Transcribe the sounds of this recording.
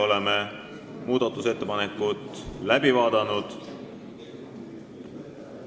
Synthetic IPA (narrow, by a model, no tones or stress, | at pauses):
o̞leme | muːd̪̥ɑt̪ːˑuse̞t̪ːe̞pɑne̞kːˑut̪ːˑlæbivɑːd̪̥ɑnud̪̥